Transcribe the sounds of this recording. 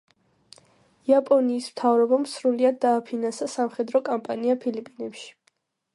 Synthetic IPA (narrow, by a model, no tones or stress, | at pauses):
iapʼɔniːsmt̪ʰavɾɔbamsɾuliad̪ːaːpʰinansasamχɛd̪ɾɔkʼampʼaniapʰilipʼinɛpʃi̥